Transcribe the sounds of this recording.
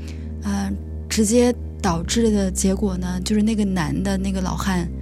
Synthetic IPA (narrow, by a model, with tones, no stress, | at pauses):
ə˥˧ | ʈ͡ʂɻ̩˧˥t͡ɕjɛ˥ | t̪ɑ˨˩ʊʈ͡ʂɻ̩˥˩d̪ə˩t͡ɕjɛ˧˥kwɔ˨˩nə˦t͡ɕjo˥˧ʂɻ̩˥˧na˥˩ɡə˩na˧˥nd̪ə˧na˥˩ɡə˩lɑ̰˨˩ʊxa˥˩n